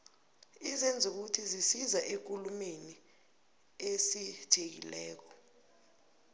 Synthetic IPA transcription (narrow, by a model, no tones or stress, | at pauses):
izɛnd͡zʱuk̬utʰizisizaʔek̬ʼulumeni | esitʰek̬ḭlɛːk̬ɔ̥